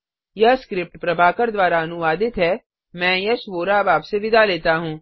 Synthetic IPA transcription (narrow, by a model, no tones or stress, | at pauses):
jɐskɾɪp̚ʈpɾɐbʱaːkəɾd̪ʋaːɾaɐnʊʋaːd̪ɪt̪ɦɛ | mɛ̃ːjɐʃʋoːɾabaːpseʋɪd̪ʱaleːt̪aɦũː